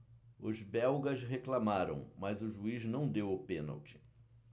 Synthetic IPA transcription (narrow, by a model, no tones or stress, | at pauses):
ʊzbɛwɡɐʃɦeklamaɾɐ̰̃w̃mɐzʊʒuiznɐ̃w̃d̪ewʊpẽnɐ̰wt͡ʃɪ̥